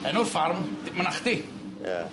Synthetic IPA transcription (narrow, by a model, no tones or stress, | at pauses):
ɛnurfarmdmənaχd̪ḭ